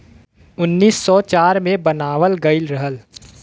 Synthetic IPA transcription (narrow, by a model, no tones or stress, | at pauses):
ʊnːiːsːɔt͡ʃaːɾmẽbənaːʋəlɡəɪlɾɐɦəl